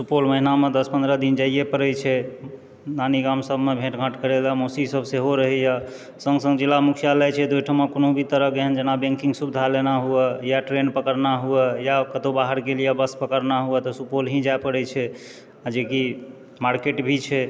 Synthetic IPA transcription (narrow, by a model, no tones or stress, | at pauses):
supolməɦinamed̪əspənd̪ɾəd̪ind͡ʒaijepəɾɛjt͡ʃʰɛ | naniɡamsəbʱmebʱeʈɡʱəʈkəɾelamosisəbʱseɦoɾəɦɛja | sə̃ŋɡsə̃ŋɡd͡ʒilamukʰijalɛt͡ʃʰɛd̪ujʈʰəmakonobʱit̪əɾəɦɡeɦənd͡ʒenabẽŋkiŋɡsubd̪ʱalenaɦuɛjaʈɾenpəkəɾnaɦuɛjakət̪obaɦəɾɡelijabəspəkəɾnaɦuɛt̪ɔsupolɦĩd͡ʒaepəɾɛt͡ʃʰɛ | ad͡ʒeki | maɾkeʈbʱit͡ʃʰɛ